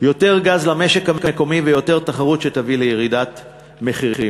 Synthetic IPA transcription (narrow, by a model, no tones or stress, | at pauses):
jo̞te̞ʁɡazlameʃe̞kamkaeko̞mivejo̞teʁt̪aχaʁut̪ʃet̪avilejeʁidat | meχii